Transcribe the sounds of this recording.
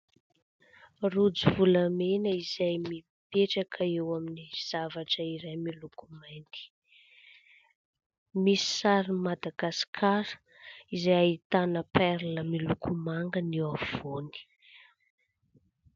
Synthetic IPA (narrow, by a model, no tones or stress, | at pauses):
rud͡zivuləmenəizajmi | peʈ͡ʂakʰəewaminiz̥avaʈ͡ʂəiɾajmilukumajnt̪i̥ | misi̥saɾimad̪aɡasi̥kʰaɾə̥ | izajait̪anəpɛɾləmilukʰumaŋɡəniav̥oni̥